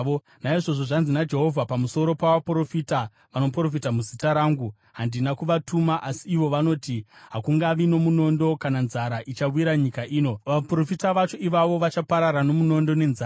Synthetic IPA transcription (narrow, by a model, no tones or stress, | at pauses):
o | naiʐo̞ʐo̞ʐanzinad͡ʒe̞ɦo̞vʱapamuso̞ɾo̞paʋapro̞fita | ʋano̞pro̞fitamuzitaɾaːŋɡu | ɦandinakuʋatʰumaʔasiiʋo̞ʋano̞ːtiɦakuŋɡaʋino̞muno̞ndo̞kananzaɾaʔit͡ʃawiɾaɲikaʔiːno̞ʋapro̞fitaʋat͡ʃo̞ʔiʋaʋo̞ʋat͡ʃapaɾaɾano̞muno̞ndo̞ne̞nzaː